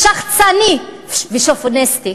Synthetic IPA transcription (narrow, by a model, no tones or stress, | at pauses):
ʃaχt͡sani | viʃofonɛst̪i